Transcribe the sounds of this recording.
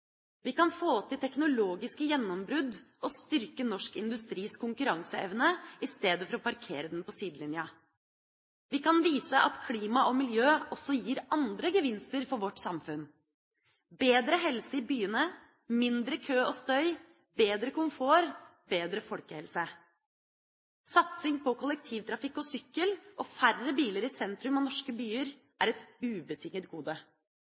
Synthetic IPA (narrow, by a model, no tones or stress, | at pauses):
ʋɪkɑnfoːt̪ʰːɪlt̪ʰɛknʊloːɡɪskəjɛnːɔmbɾʉd̪ʔɔst̪ʏɾkənɔʂkɪnd̪ʉst̪ɾiːskʰʊŋkʉɾɑŋsəɛ̰ʋnəɪst̪eːd̪əfɔɾɔpɑɾkʰeːɾəd̪ɛnpɔsiːd̪lɪnjɑ | ʋɪkɑnʋiːsəʔɑt̪kʰliːmɑʔɔmɪljøːɔsːɔjiːɾɑnd̪ɾəɡəʋɪnst̪əɾfɔɾʋɔʈːsɑmfʉn | beːd̪ɾəɦɛlsəiːbyːənə | mɪnd̪ɾəkʰøːɔːst̪œʏ | beːd̪ɾəkʊmfoːɾbeːd̪ɾəfɔlkəhɛlsə | sɑt̪sɪŋpɔkʰʊlɛk̚t̪ʰiːʋt̪ʰɾɑfɪkːɔsʏkːəlʔɔfærːəbiːləɾɪsɛnt̪ɾʉmɑnɔʂkəbyːəɾ | ʔæɾɛt̪ʉːbət̪ʰɪŋːət̪ɡuːd̪ə